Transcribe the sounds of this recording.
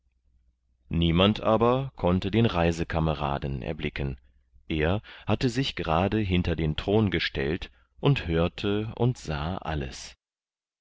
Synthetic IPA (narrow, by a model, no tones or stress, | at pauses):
niːmantʔaːbɐkʰɔntədeːnʁaɪzəkʰaməʁa̰ːdn̩ɛ̰ɐblɪkən | ʔeːɐhatəzɪçɡ̥əʁaːdəɦɪntɐdeːntʁ̥oːnɡəʃtɛ̰lt | ʔʊnthøːɐtʰəʊ̰ntz̥a̰ːʔa̰lə̰s